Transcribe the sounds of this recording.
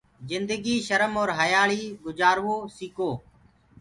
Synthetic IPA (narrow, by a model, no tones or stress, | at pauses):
zɪnd̪əɡiːʃəɾəmoːɾɦəjaːɭiːɡʊd͡ʒaːɾʋoːsiːkoː